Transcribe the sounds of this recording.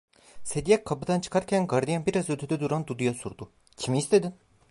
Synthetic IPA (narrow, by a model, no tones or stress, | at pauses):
se̞d̪ijɛkkʰːapɯd̪ant͡ʃʰɯ̥kʰaɾcʰænɡaɾd̪ijanbiɾazøt̪ʰyd̪ɛd̪uɾand̪ud̪ujasuɾd̪u | cʰimiːst̪ʰe̞d̪in